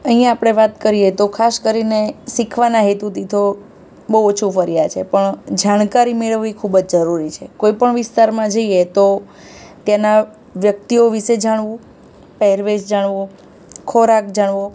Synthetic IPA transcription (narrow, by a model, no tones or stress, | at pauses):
əɦĩjãːpɽ̃eʋat̪kəɾijet̪okʰaskəɾinesikʰʋanaɦet̪ut̪it̪ʰo | bəot͡ʃʰufəɾijat͡ʃʰepəɳd͡ʒaɽ̃kaɾimeɭəʋːikʰubd͡ʒd͡ʒəɾuɾit͡ʃʰekoipəɳʋɪst̪aɾmãd͡ʒəijet̪o | t̪jana | ʋjək̚t̪ioʋiʃed͡ʒaɽ̃ʋũ | pɛɦɛɾʋeʃd͡ʒaɽ̃ʋo | kʰoɾakd͡ʒaɳʋo